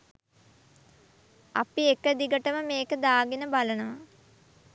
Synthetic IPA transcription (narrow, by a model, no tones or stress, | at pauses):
a̰piekːəd̪iɡəʈəməmeːkəd̪aːɡinəbalənəʋa